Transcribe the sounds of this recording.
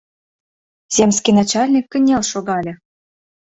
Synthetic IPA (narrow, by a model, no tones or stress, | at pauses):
z̥ʲemʲskijnɑt͡ɕɑlʲnʲikːə̆nʲelʃoɣɑlʲɤ̆